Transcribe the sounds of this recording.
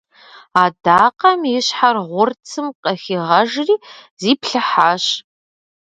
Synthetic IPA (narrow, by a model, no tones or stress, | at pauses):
aːdaːqɐmjɪɕħarʁʷʊrt͡sʰɨmqʼɐxiʁɐʒriːziːpɬɨħaːɕ